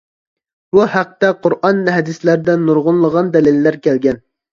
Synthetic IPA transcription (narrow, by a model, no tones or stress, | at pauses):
b̥uhæq̚t̪ɛqʰʊɾʔɑnːɦɛd̪ɪslæɾd̪ɛnːuɾʁʊnlˠəʁɑnd̪ɛlɪlːæɾkʲælɡʲɛn